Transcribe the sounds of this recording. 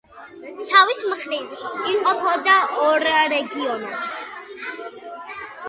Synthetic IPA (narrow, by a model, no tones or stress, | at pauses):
savismχlit̪ʰiqʼɔpʰɔd̪aɔɾɾɛɡiɔna